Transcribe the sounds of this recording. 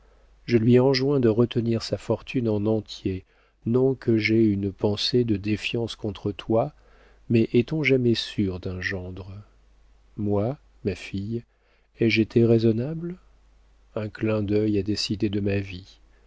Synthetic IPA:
ʒəlɥiɑ̃ʒwɛ̃d̪əʁət̪əniʁsafɔʁt̪ʰynɑ̃nɑ̃t̪je | nɔ̃kʰəʒɛynpɑ̃sed̪əd̪efjɑ̃skɔ̃t̪χət̪wa | mɛʔɛt̪ɔ̃ʒamɛsyʁd̪ɛ̃ʒɑ̃d̪ʁ | mwa | mafij | ɛʒet̪ʰeʁezɔnabl | ɛ̃klɛ̃d̪œjad̪esid̪ed̪əmavi

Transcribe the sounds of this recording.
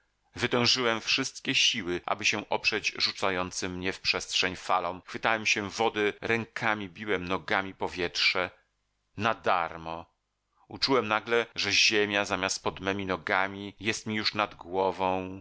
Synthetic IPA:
vɘt̪ɛ̃w̃ʐɨwɛmfʂɘst̪kʲɛɕiwɘʔa̰bɘɕɛʔɔpʂɛd͡ʑʐut̪sajɔnt̪sɘmːɲɛfpʂɛstʂɛɲfalɔ̃w̃xfɘt̪awɛmɕɛvɔd̪ɛɾɛŋkʰamʲibʲiwɛmnɔɡamʲipɔvʲjɛtʂɛ | nad̪aɾmɔ | ut͡ʂuwɛmnaɡlɛʐɛʑemʲjazamʲjast̪̚pɔd̪mɛmʲinɔɡamʲijɛst̪mʲijuʂnad̪ɡwɔvɔ̃w̃

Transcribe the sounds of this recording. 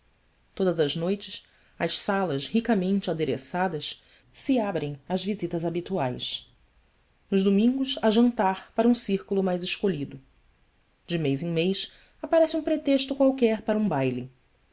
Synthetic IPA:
t̪od̪ɐzɐʒnojt͡ʃɪs | ɐʃsalɐʃhikɐmẽnt͡ʃɪad̪eɾḛsad̪ɐs | sɪabɾẽj̃ɐzvizit̪ɐzabit̪uajʃ | nʊʒd̪omĩŋɡʊsɐʒɐ̃nt̪aɾpaɾɐũsiɾkulʊmajzɪʃkoʎid̪ʊ | d͡ʒɪmejzẽj̃mejs | apaɾɛsɪũpɾet̪eʃt̪ʊkwawkɛɾpaɾɐũbajli

